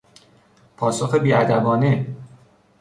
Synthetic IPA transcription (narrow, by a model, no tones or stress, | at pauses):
pʰɒːsoxebiːæd̪æbɒːne